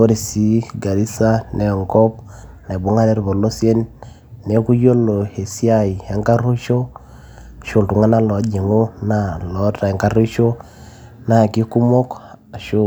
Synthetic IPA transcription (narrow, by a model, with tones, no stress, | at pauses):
o˦ɾe˨si˦ɡa˨ɾi˦sa˦ne˨ɔ˨ŋkɔ˦p̚na˨bu˦ŋa˦ɾe˦ɾbo˨lo˦sje˦nː | e˨˦ku˦jo˦lo˨he˨si˦a˦˨i˨e˦ŋka˦ɾu˦ʃo˦˨ | ʃo˦˨ntu˨ŋa˦na˦lɔ˨˦d͡ʒi˨ŋo˦na˦˨lɔ˨˦ta˨e˨ŋka˦ɾu˦ʃo˦ | na˦˨ki˦ku˦mo˦k | a˨ʃu˦